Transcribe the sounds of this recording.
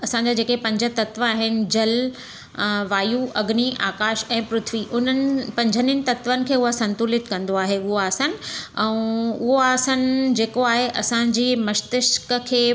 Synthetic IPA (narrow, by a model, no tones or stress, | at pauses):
ɐsãɲd͡ʑad͡ʑeːkepɐ̃ɲd͡ʑʱət̪ɐt̪ʋəaːɦɪnɪ̆d͡ʑɐl | ʋaːjuʔɐɡniʔa̰ːkaːʃɛ̃ːpɾʊt̪ʰʋiʔʊn̤ənɪ̆pɐ̃ɲd͡ʑʱənɪnɪ̆t̪ɐt̪ʋənɪ̆kʰeːʊɦasɐ̃nt̪uːlɪt̪kɐ̃nd̪oaːɦeʊɦoaːsənɪ̆ɛ̃ũʊɦoaːsənɪ̆d͡ʑeːkoaːɦeʔɐsãd͡ʑiːmɐʃt̪ɪʃkəkʰeː